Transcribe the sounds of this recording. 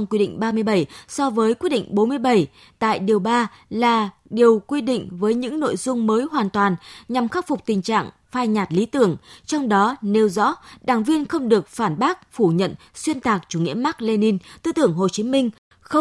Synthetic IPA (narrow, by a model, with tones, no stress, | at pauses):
ŋ͡mkwi˧ɗḭ˧˨ŋ̟ɓaː˧mɨ˧əjɓə˧˩jsɔ˧vəː˨˦jkwi˦˥t̚ɗḭ˧˨ŋ̟ɓo˨˦nmɨ˧əjɓə˧˩j | t̪a̰ː˧˨jɗi˨˩əwɓaː˧ | laː˨˩ | ɗi˨˩əwkwi˧ɗḭ̈˧˨ŋ̟vəː˨˦jɲɨ̰˧˥ŋno̰˧˨jzʊ˧ŋ͡mməː˨˦jɦwaː˨˩nt̪waː˨˩nɲa˨˩mxaː˦˥p̚fʊ˨˩k͡p̚t̪ï˨˩ŋ̟t͡ɕa̰ː˧˨ŋ | faː˧jɲaː˨˩t̚li˨˦t̪ɨ˧˩əŋt͡ɕɔ˧wŋ͡mɗɔ˨˦ne˨˦wzɔ̰˧˥ɗaː˧˩ŋvi˧ənxə˧wŋ͡mɗɨ˨˩ək̚faː˧˩nɓaː˦˥k̚fu˧˩ɲə̰˧˨n | swi˧ənt̪aː˨˩k̚t͡ɕu˧˩ŋḭ˧˥əmaː˦˥k̚le˧ni˧nt̪ɨ̰˧t̪ɨ˧˩əŋɦo˨˩t͡ɕi˨˦mï˧ŋ̟ | xə˧